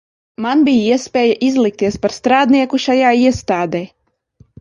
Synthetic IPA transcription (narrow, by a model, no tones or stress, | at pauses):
manbʲijiɛspʲɛːjaʔizlˠik̚t̪iɛspaɾst̪ɾaːd̪niɛkuʃajaːiɛst̪aːd̪ɛː